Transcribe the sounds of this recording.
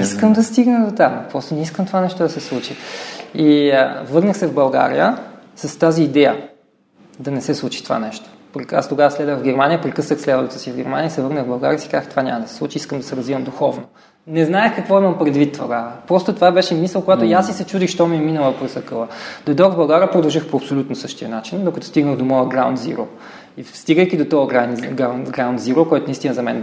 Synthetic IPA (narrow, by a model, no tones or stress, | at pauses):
iskəmd̪ɐst̪iɡnəd̪ot̪ampɾɔst̪onɛiskəmt̪ovanɛʃt̪od̪ɐsɛslˠut͡ʃiivɤɾnəxsɛvbɐlˠɡa̰ɾḭjə̰sɐst̪aziːd̪ɛjə | d̪ɐnɛsɛslˠut͡ʃi̥t̪ova̰nɛʃt̪o̥pɾia̰st̪oɡavəslɛd̪vəxvɡɛɾmanijəpɾikɤsnəxslɛd̪əvt̪əsivɡʲɛɾmanijəisɛvɤɾnəɣbɐlˠɡa̰ɾiəsikazəxt̪ovanʲa̰məd̪ɐsɛ̥sˠut͡ʃiiskəmd̪ɐsɛɾɐzvivəmd̪uxɔvno | nɛznaɛxkɐkvɔimɐmpɾɛd̪vit̪ːvoɡapɾɔst̪ot̪ovabɛʃɛmisəlˠkoɡat̪ojasːisɛt͡ʃud̪ixʃt̪ɔmiɛminəlˠəpɾɛsɐkɤlˠəd̪̥ojd̪ɔɾvbɐlˠɡaɾʲjəpɾod̪ɐlˠʒixpoɐpsolʲut̪nosɤʃt̪iənat͡ʃind̪okɐt̪ɔ̥st̪iɡnəɣd̪omɔəɡɾawnt̪zḭɾo̰ | ifst̪iɡəjkʲid̪ot̪ɔəɡɾanɡanɡɾawnt̪ziɾokɔjt̪onist̪inəzɐmɛ̰n